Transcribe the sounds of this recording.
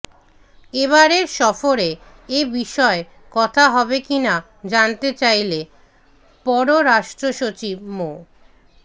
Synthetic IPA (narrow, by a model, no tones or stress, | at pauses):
eβaɾeɾʃɔfoɾe | ebiʃɔe | kɔt̪ʰaɦɔbekina | d͡ʑant̪et͡ɕajle | pɔɾoɾaʃʈɾoʃot͡ɕib̚mo